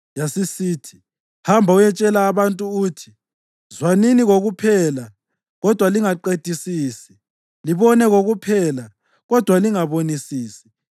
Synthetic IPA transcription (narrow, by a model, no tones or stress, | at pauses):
jasisiːtʰi̥ | hambʱaujɛt͡ʃʼɛlaːβantʼuːtʰi̥ | zwaniniɣoɣupʰɛːla | ɣɔd̥ʱwaliŋaǃed̥ʱisiːsi̥ | liβɔnɛɣoɣupʰɛːla | ɣɔd̥ʱwaliŋaβonisiːsi̥